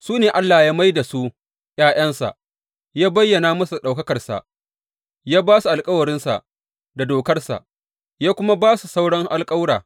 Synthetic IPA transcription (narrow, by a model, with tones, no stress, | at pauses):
suː˦neː˨ʔa˦lːaː˨jaː˦ma˦jda˨su˦ | jaː˦j̰ɐ˦nsa̰˨ʔ | jaː˦bɐ˦jːɐ˨naː˦mɐ˦su˨ɗa˨wkɐ˦kɐ˨rsa̰˨ʔ | jaː˦baː˦su˨ʔa˨lkʼɐ˦wɐ˨ɾɪ˦nsa̰˨ʔ | da˨doː˨kɐ˦rsa̰˨ʔ | jaː˦kʷʊ˦ma˦baː˦su˨sa˦wɽɐ˦ŋʔa˨lkʼɐ˦wɽaː˨